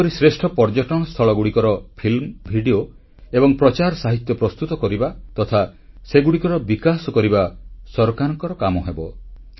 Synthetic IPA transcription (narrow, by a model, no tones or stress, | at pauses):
ɔɾisɾesʈʰɔpɔɾd͡ʒɔʈɔɽ̃ɔst̪ʰɔɭɔɡuɽikɔɾɔpʰilmbʱiɽio | ebɔŋpɾɔt͡ʃaɾsaɦit̪jɔpɾɔst̪ut̪ɔkɔɾibat̪ɔt̪ʰa | seɡuɽikɔɾɔbikasɔkɔɾibasɔɾɔkanɔŋkɔɾɔkamɔɦebɔ